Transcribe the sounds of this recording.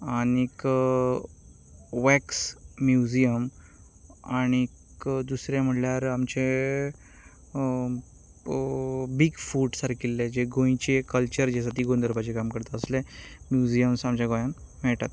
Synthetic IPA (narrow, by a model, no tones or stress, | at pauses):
anik | ʋɛksmjud͡ʑijəm | añikkd̪usɾjam̤əɽljaɾamt͡ɕe | biɡfuːɖsaɾkilːẽd͡ʑeɡõjĩt͡ɕekəlt͡ɕəɾd͡ʑesat̪iːɡond̪əɾbat͡ɕekamkəɾt̪aəslemjud͡ʑijəmsamt͡ɕjaɡõjammɛɭʈat̪